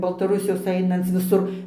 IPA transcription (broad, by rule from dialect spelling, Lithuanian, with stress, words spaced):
bɐlˠtɐˈrʊsʲɪjoːs ˈɐɪnɐnt͡s ʋʲɪˈsʊr